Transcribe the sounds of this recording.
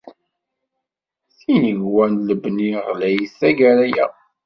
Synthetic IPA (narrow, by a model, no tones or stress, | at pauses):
θinəʝwænləbniʁlæjθæɡæɾæjæ̰